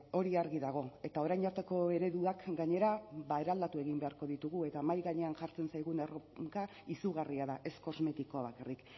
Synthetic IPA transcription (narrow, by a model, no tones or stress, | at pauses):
o̞ɾiaɾɣiðaɣ̞o̞e̞t̪ao̞ɾajɲaɾt̪e̞ko̞e̞ɾe̞ðuakɡaɲe̞ɾaβae̞ɾald̪at̪ue̞ɣimbe̞aɾko̞ðit̪uɣue̞t̪amajɣaɲe̞anʝaɾt͡se̞nsajɣunerokaisuɣariaðaʔe̞sko̞zme̞t̪ikoaβ̞akarik